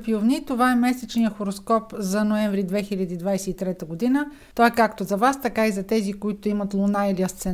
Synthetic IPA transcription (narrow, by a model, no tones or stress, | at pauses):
piovnit̪ovaɛmɛsɛt͡ʃnijəxoɾoskɔpzɐnoɛ̃ɱvɾid̪vɛxilʲəd̪iːd̪vajsɛit̪ɾɛt̪əɡod̪inə | t̪ɔɛkakt̪ozɐvast̪ɐkaizɐt̪ɛzikoit̪ʊimɐt̪lˠonailiəst̪sɛ